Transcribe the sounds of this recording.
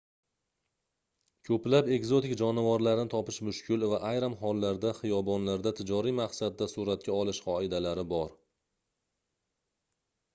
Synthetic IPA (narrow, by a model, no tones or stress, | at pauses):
kʲʰɵplape̞ɡzo̞t̪ɪkʲd͡ʒɒnavɒɾlaɾnɪt̪ʰɒpɪʃmʊʃkʲʰɪlvaʔajɾɪmɦɒlˠːaɾd̪aχijɒbɒnlaɾd̪at̪ʰɪd͡ʒɒɾimaχsad̪ːasuɾat̪̚kʲʰaɒlɪʃqɒɪd̪alaɾɪbɒɾ